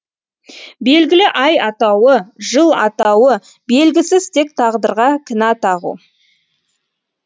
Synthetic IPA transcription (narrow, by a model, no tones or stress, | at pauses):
be̞lɡʲɪlɪʔɑjɑt̪ɑwəʒəlˠɑ̰t̪ɑwə | be̞lɡʲɪsɪz̥t̪ʰe̞k̚t̪ʰɑʁd̪əɾʁɑkʲʰɪnɑt̪ʰɑʁṵ